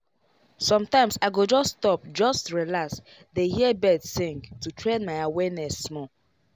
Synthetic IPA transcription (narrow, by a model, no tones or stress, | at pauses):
sɔ̃mtãɪ̃msaɪɡod͡ʒɔsːtɔp̚d͡ʒɔstɹilaks | dehiɛbɛdsɪ̃ŋɡtutʰɹẽnmaɪawɛnɛsːmɔ